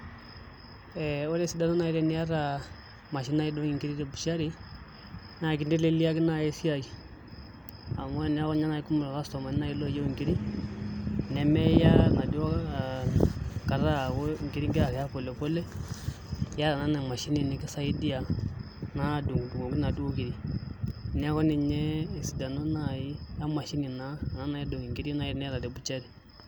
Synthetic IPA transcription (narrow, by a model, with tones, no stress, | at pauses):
e˨o˦le˦si˦da˦na˦na˨i˦ɾe˦ni˦ja˦ɾa˨ | ma˨ʃ̬i˦na˦i˦do˦ŋi˨ŋki˦ɾi˦de˦bu˨ʃa˦ɾi˦ | na˨ki˦nde˦le˦li˦ja˦ki˦na˦˨e˦si˦ja˨ɡi˨ | a˨mo˦˨ni˦a˦ko˦ɲa˦na˨i˦ku˦mu˨lɣa˦sto˨ma˨ni˦na˨i˦lo˦˨je˦˨ŋki˦ɾi˦ | ne˨me˦ja˦na˨di˦wo˦˨ | ka˨ɾa˦˨wo˦ŋ˨ki˦ɾi˦ŋɡi˦ɾa˨kja˦pɔ˨lɛ˨pɔ˦lɛ˦ | ja˦ɾa˨na˨˦na˨ma˨ʃi˦ni˦ni˨ki˦sa˦i˦di˦a˨ | na˦˨du˨ŋ˨du˨ɡo˨ŋɡu˦na˨du˦o˦ki˨ɾi˦ | n˦a˦kɔ˦ni˨ɲɛ˦˨si˨da˨no˦na˨ji˦ja˦ma˨ʃi˦ni˨na˦˨na˨˦na˨i˦do˨ŋi˨ŋɡi˦ɾi˦na˨i˦nɛ˦ɾa˨dɛ˨bu˦t͡ʃa˦ɾi˦˨